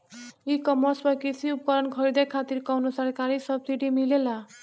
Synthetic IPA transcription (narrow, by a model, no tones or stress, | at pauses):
ikʌmʌsbʌkisʰiup̚kʌɾʌnkʰʌɾid̪ʌjkʰat̪irkʌwnusʌrkaɾisʌbsiʈimilela